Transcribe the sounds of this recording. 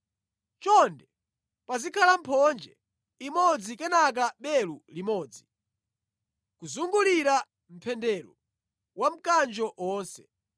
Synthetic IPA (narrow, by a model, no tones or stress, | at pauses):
t͡ʃɔndɛ | pazikʰalam̩pʰɔnd͡ʒɛ̰ | imɔd͡zikɛnak̬aɓɛlulimɔːd͡zi | kuzuŋɡuliɾa | m̩pʰɛndɛɾɔ̰ | wam̩kand͡ʒɔʔɔːnsɛ